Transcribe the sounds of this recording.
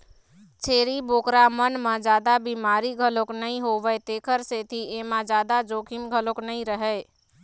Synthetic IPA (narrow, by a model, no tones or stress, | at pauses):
t͡ʃʰeːɾiboːkɾamənmãd͡ʒaːd̪abimaːɾiɡʱəloknəɦĩɦoʋəet̪eːkʰəɾset̪ʰiemãd͡ʒjaːd̪ad͡ʒoːkʰimɡʱəloknəĩɾəɦɛ